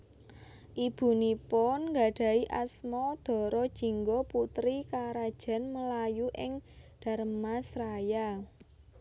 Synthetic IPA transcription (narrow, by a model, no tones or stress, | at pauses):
ʔib̥ṳnipɔnŋɡa̤ɖ̥ä̤iʔa̰smɔd̪̥ɔ̤ɾɔd̥ʒ̥i̤ŋɡɔput̪ɾikaɾad̥ʒ̥a̤nməlajuʔɪŋd̪̥a̤ɾəmasɾaja